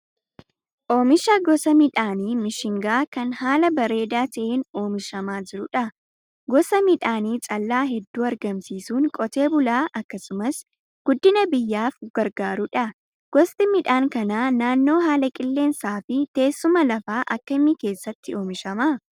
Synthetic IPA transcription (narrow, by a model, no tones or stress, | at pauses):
ʔo̞ːmɪʃaɡɔsɐmɪᶑaːniːmɪʃɪŋɡaːkɐnhaːlɐbɐɾe̞ːd̪aːt̪ɐʔeːno̞ːmɪʃɐmaːd͡ʒɪɾʊᶑɐ | ɡɔsɐmɪᶑaːniːt͡ʃʼɐlːaːɦɛd̪ːuːɐɾɡɐmsiːsuːŋkʼɔt̪e̞ːbʊlaːʔɐkːɐsʊmɐs | ɡ̥ʊd̪ːɪnɐbɪjːaːfɡ̥ɐɾɡaːɾʊᶑɐ | ɡ̥ɔst̪ʼɪmɪᶑaːŋkɐnaːnaːnːo̞ːɦaːlɐkʼɪlːe̞ːnsaːfɪt̪e̞ːsːʊmɐlɐfaːʔɐkːɐɪmːɪke̞ːsːɐt̪ːɪo̞ːmɪʃɐma